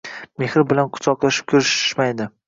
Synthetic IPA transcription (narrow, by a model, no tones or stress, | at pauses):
me̞hɾɪbɪlanqʰʊ̥t͡ʃ̪ʰɒqlˠaʃɪ̥p̚kʲʰʊɾʃʃmajd̪ɪ